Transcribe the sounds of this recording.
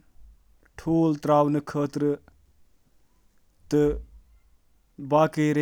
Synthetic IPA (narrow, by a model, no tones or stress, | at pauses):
ʈʰuːlt̪ɾaːwnɨkʰəːt̪ɾɨ | t̪ɨ | baːkəɾe